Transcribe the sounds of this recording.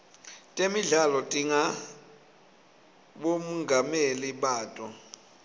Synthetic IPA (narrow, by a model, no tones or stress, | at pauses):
tʼemiɮalɔtʼiŋa | ɓomuŋɡameliɓaːtʼɔ